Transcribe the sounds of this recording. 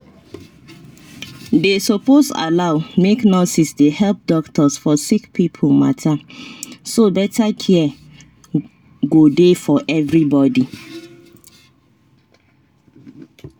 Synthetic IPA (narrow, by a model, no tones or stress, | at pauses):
desoposa̰laʊmeknotisdehɛlp̚dɔktɔsfɔsikpipʰomatʰa | sobɛtakʰiɛ | ɡodefɔʔɛvɹibɔdi